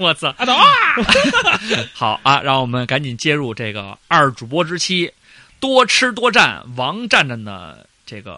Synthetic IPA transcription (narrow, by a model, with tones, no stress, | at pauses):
wɔ˧˩t͡s̩̪˧˩˥ | xɑ˨˧˩ʊʔa˧ɻɑ˥˩ŋwɔ˨˩mə˦nka˧˥nt͡ɕi˨˩nt͡ɕjɛ˥ɻu˥˧ʈ͡ʂe˥˩ɡə̰˩ɐ˞˥˩ʈ͡ʂu˨˩pwɔ˥ʈ͡ʂɻ̩˥t͡ɕʰi˥ | t̪wɔ˥ʈ͡ʂʰɻ̩˥t̪̬wɔ˥ʈ͡ʂa̰˥˩nwɑ˧˥ŋʈ͡ʂa˥˩nʈ͡ʂə˥˩ŋd̪ə̰˩ | ʈ͡ʂɤ˥˩ɡə̰˩